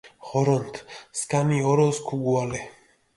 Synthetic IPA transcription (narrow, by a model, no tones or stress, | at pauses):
χɔɾɔnt̪ʰskaniɔɾɔskʰuɡuale